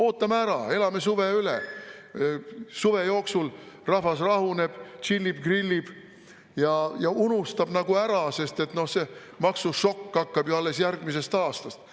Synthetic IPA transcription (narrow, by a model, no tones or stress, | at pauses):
o̞ːt̪ːˑɑmæɾɑe̞lɑme̞suveylḛ | suve̞jo̞ːksul | rɑɦvɑsrɑhune̞b̥t͡ʃilʲːib̥ɡrilʲːib̥ | jɑjɑunust̪ɑb̥nɑɡ̥uæɾɑse̞st̪e̞t̪no̞hse̞ | mɑksuʃo̞kːɑkːɑb̥joɑlːe̞sjærɡ̥mise̞st̪ɑːst̪ɑst̪